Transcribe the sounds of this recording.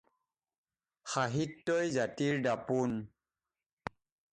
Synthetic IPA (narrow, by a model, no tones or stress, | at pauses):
xaɦitːojzatiɹdapun